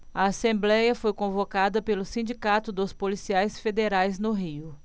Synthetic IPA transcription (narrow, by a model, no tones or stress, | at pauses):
ɐasẽmblɛjɐfojkõvokad̪ɐpelʊsĩd͡ʒikat̪ʊd̪ʊspolisiajsfed̪eɾajznʊɦiʊ